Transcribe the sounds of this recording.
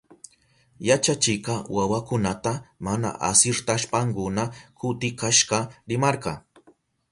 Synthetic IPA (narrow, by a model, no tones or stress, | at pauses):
jat͡ʃat͡ʃɪqɑwawakʊnat̪amana̰ʔa̰sɪɾt̪aʃpaŋkʊnakʊt̪ɪkaʃɢɑɾɪmɑɾɢɑ